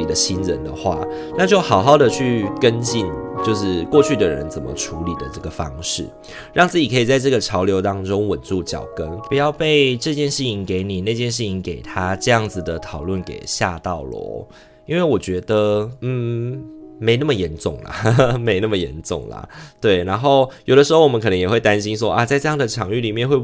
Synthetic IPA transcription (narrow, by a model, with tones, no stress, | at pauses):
i˨˩d̪ə˦ɕi˦˥nɻə̰˨˦nd̪ə˨xwa̰˥˩ | na˥˧t͡ɕjo˥˩ʊxɑ˨˩ʊxɑ˥˩ʊd̪ə˨t͡ɕʰy˥˩kə˦˥nt͡ɕi˥˧nt͡ɕjo˥˧ʊʂɻ̩˥˩kwɔ˥˧t͡ɕʰy˥˩d̪ə˨ɻə̰˧˦nt͡sə˨˩mə̰˦ʈ͡ʂʰu˧˥li˨˩d̪ə˦ʈ͡ʂɤ˥˩ɡə˩fɑ˦˥ŋʂɻ̩˥˩ | ɻɑ˥˧ŋt͡sɹ̩˥˩t͡ɕi˨˩kʰɤ˧˥i˨˩t͡sa˥˧ɪʈ͡ʂɤ˥˩ɡə˩ʈ͡ʂʰɑ˧˥ʊljo˧˥ʊt̪ɑ˥ŋʈ͡ʂʊ˦ŋwə˨˩nt͡su˥˩t͡ɕjɑ̰˨˩ʊkə˦npu˨˩jɑ˥˧ʊpe˥˧ɪʈ͡ʂɤ˥˧t͡ɕjɛ˥˧nʂɻ̩ʰ˥˩i˧˥˦ŋke˧˥ɪni˨˩na˥˧t͡ɕjɛ˥˧nʂɻ̩˥˩t͡ɕʰi˧˥ŋke˨˩ɪt̪ʰa˦ʈ͡ʂɤ˥˧jɑ˥˩ŋd͡z̩˨˩d̪ə˩t̪ʰɑ˨˩ʊlwə˥˩nkḛ˨˩ɪɕja̰˥˧t̪ɑ˥˩ʊlwɔ̰˧˦ | i˥nwe˥˩ɪwɔ˨˩t͡ɕɥɛ˧˥d̪ə˨n̩˥˩ | me˧˥ɪnə˥˩ə˨˩jɛ˧˥nʈ͡ʂʊ̰˥˨˩ŋlɐ̰˨˩me˧ɪnə˥˩mə˩jɛ̰˧˦nʈ͡ʂʊ̰˥˨˩ŋlɐ̰˩t̪we˥˩ɪna˧˥nxo˥˩ʊjo˨˩ʊd̪ə˦ʂɻ̩˧˥xo˥˩wɔ˨˩ə˦kʰɤ˨˩nə˧˦jɛ˨˩xwe˥˩ɪt̪a˦nɕi˥ns̬wɔ˦˥ʔa˧t͡sa˥˧ɪʈ͡ʂɤ˥˧jɑ˥˩ŋd̪əd̪ə˨ʈ͡ʂʰjɑ˨˩ŋy˥˩li˨˩mjɛ˥˧nxwe˥˧ɪ